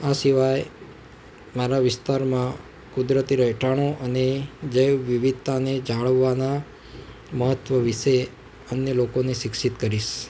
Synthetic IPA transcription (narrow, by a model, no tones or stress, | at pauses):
asiʋaj | maɾaʋɪst̪aɾmã | kud̪ɾət̪iɾəɦʈaɽ̃oʔəned͡ʒəjʋʋiʋid̪̚t̪aned͡ʒaɭəʋːana | məɦət̪ʋəʋiʃe | ənjəlokoneʃɪkʃit̪kəɾiʃ